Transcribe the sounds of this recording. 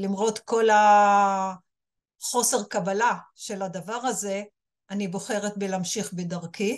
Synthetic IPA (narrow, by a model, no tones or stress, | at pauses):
limʁo̞tko̞la | χo̞se̞ʁkabalaʃe̞ladavaʁaze̞ | anibo̞χe̞ʁet̪belamʃiχbedaʁki